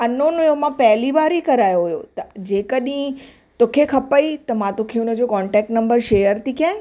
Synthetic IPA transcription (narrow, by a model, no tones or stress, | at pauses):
ɐnonʊjomãpɐɦɪliʋaːɾikɐɾaːjoɦʊjo̰t̪ɐd͡ʑeːkəɗɦĩ | t̪oːkʰekʰɐpəit̪ɐmãt̪okʰeʊnə̆d͡ʑoːkɔːɳʈɛːk̚ʈnɐ̃mbəɾʃeːjəɾt̪iːkãẽ